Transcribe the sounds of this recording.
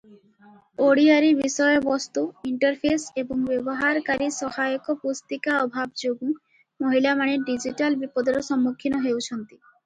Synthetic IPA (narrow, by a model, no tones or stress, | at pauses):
oɽiaɾibisɔjɔbɔst̪uiɳʈɔɾpʰeseboŋbebɔɦaɾkaɾisɔhajɔkɔpust̪ikaɔbʱabd͡ʒoɡũ | moɦilamaneɖid͡ʒiʈalbipɔd̪ɔɾɔsɔmːukʰːinɔɦewt͡ɕʰɔnt̪i̥